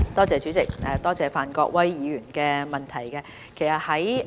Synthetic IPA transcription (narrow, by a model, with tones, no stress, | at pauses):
t̪ɔː˥t͡sɛː˨˧t͡ʃyː˨˥t͡sɪ˨k̚ʔɛː˨t̪ɔː˥t͡sɛː˨faː˨nkɔ̰ː˧k̚wɐ˥jjiː˨˧ɥyː˨˩nkɛː˧mɐ˨˩nt̪ʰɐ˨˩jkɛː˧ | kʰe˨˩jsɐ˨t̚hɐ˨˥j